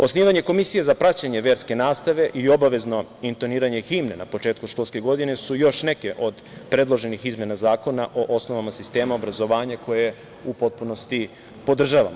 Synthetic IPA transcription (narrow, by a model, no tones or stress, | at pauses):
o̞sniːʋaɲe̞ko̞misijezapɾat͡ɕaɲe̞ʋje̞ːɾske̞naːst̪aʋe̞ʔio̞baʋe̞zno̞int̪oniːɾaɲe̞ximnenapo̞t͡ʃeːt̪kuʃkoske̞ɡo̞d̪ine̞sujo̞ʃne̞ke̞ʔo̞d̪ | pɾe̞d̪lˠo̞ʒe̞nixizmje̞nazaːko̞naʔo̞ʔosno̞ʋamasist̪e̞ːmaobɾazo̞ʋaːɲako̞jeje | upo̞t̪̚puno̞st̪i | po̞d̪r̩ʒaʋa̰mo